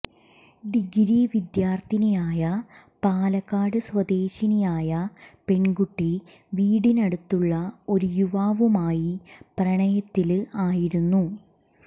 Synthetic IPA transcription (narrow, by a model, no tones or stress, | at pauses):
d̪iɡɾiʋid̪jaːrt̪inɐjaːjɐ | paːlɐkːaːɽɨswɐd̪e̞ːɕinɐjaːjɐpe̞ɳɡuʈːi | ʋiːɽinɐɽut̪ːuɭːɐo̞ɾujuʋaːʋumaːjiprɐɳɐjɐt̪ːilaːjiɾunːu